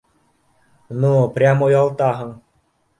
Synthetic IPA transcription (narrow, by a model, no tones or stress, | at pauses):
nupɾʲamojɔlˠt̪aɦəŋ